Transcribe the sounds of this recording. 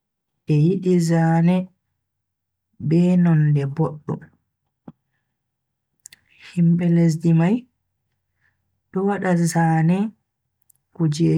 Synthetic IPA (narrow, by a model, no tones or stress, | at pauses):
ʔɛjiɗizaːnɛ | bɛːnɔndɛboɗːṵ | himɓɛles̬dimaj | ɗɔwaɗazaːnɛ | kud͡ʒɛ